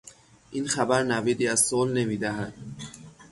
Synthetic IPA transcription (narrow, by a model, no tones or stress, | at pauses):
ʔinxæbæɾnæviːd̪iːæzsolne̞miːd̪æɦæd̪̥̚